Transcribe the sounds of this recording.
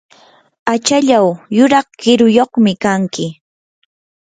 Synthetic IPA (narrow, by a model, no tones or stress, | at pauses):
at͡ʃaʎawjʊɾɑχkɪɾʊjoχmɪkaŋkɪ